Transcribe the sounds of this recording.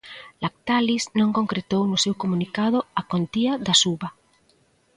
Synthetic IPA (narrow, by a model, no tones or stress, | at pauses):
lak̚t̪aliznõŋkõŋkɾet̪ownʊsewkomunikað̞ʊakont̪iaðasuβa